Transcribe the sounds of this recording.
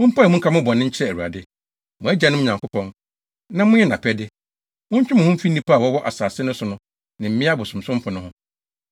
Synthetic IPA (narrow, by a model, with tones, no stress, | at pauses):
mʊ̃˦m̩˦pʰa˦ɛ˨mʊ̃˦ŋ̩˦kʰa˦mʊ̃˦bɔ̃˨nɪ̃˦ɲ̩˦t͡ɕʰɪ˦ɾɛ˦˨æ˨ɾu˨a̰˨dɪ˦ | mʊ̃˨æ˦d͡ʑa˨nʊ̃˦m̃˦˨ɲã˨ŋkʊ˦pɔ̃˦n | nã˦mʊ̃˦jɛ˦nã˨pʰɛ˦dɪ˦ | mʊ̃˦t͡ɕᶣɪ˦mʊ̃˨hʊ̃˦fi˦nː˦ĩ˦pʰa˦˨wɔ˦wɔ˦ʔa˨saː˨sɪ˦nʊ̃˦sʊ˨nʊ̃˦ | nɪ̃˨m̩˨˦mɪ̃˦a˦bʊ˨sʊ̃˨m̩˨sʊ̃˦mfʊ̃˨nʊ̃˦hʊ̃˦